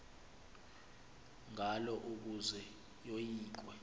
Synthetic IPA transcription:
ŋʱalɔʔuk̬uzɛ | jojiːǃ̬wɛ

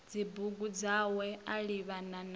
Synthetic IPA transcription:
d͡zibuɡud͡zawɛaɺiβanan

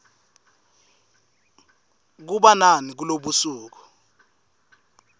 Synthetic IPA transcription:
k̬uɓananik̬uloɓusuːk̬ɔ̥

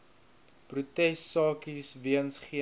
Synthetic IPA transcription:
prutɛstsːɑːkisviənsχiə

